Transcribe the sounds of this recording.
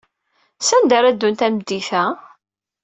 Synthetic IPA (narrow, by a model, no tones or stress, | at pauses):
sænd̪æɾæd̪ːunt̪ænd̪ːiθæ